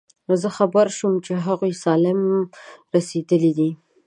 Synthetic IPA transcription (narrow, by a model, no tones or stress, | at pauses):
zəxabəɾʃumt͡ʃeɦaɣujsɑlɪmɾased̪əlid̪i